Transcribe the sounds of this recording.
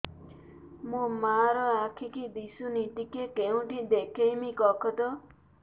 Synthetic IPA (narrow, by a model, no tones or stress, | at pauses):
mũmaɾɔakʰikid̪isunit̪ikekeũʈid̪ekʰejmikɔkʰɔd̪ɔ